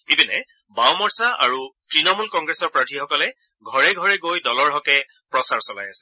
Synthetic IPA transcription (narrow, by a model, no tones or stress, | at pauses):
ibinɛ | bawmɔɹsaʔa̰ɹutɹinɔmulkɔŋɡɹɛsɔɹpɹaɹtʰixɔkɔlɛ | ɡʱɔɹɛɡʱɔɹɛɡojdɔlɔɹɦɔkɛ | pɹɔsaɹsɔla̰jasɛ̥